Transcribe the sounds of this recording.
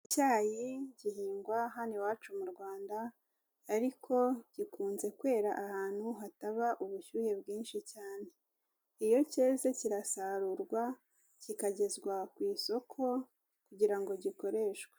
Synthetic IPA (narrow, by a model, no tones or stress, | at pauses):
caːjiɟihiːŋɡwaɦaniwaːt͡ʃumuɾɡwaːndaː | ɾikʰo̞ɟ̥ikuːnze̞kwe̞ːɾaʔahaːn̥huɦataβaʔuβuʃuːhe̞bɡiːnʃicaːne̞ | ijo̞ceːzeciɾasaɾuɾɡwa | cikaɟe̞zɡwakwiːso̞kʰo̞ | kuɟiɾaŋɡo̞ɟiko̞ɾe̞ʃɡwe̥